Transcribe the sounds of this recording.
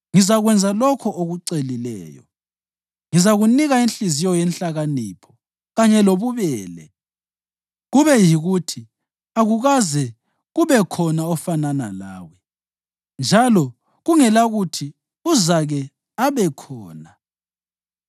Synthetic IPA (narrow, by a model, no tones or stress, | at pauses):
ŋizaɣwɛnd͡zʱalɔkʰɔʔoɣuǀelilɛ̰ːjɔ̰ | ŋizaɣuniɣainɬizijɔjɛnɬaɣanipʰɔ̥ | ɣaɲɛloβuβɛːlɛ̰ | ɣuβɛjiɣutʰi | aɣuɣazɛ | ɣuβɛkʰɔnaɔfanana̰la̰ːwɛ | nd͡ʒʱalɔ | ɣuŋɛlaɣutʰi | uzaɣɛ | aβɛkʰɔːna